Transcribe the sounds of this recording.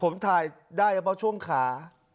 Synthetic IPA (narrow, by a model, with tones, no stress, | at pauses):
pʰo˩˦mt̪ʰaː˧j | daː˥˩ja˧˦˩pʰɔ˦˥˩t͡ɕʰu˥˩əŋkʰaː˩˦